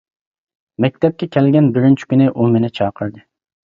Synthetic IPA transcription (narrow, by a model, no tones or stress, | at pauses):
mɛk̚ʲt̪ʰɛp̚kʲʰɛkʲʰɛlɡʲɛnbɪɾint͡ʃʰi̥kʲynɪʔumenɪt͡ʃʰɑːqʰəɾd̪ɨ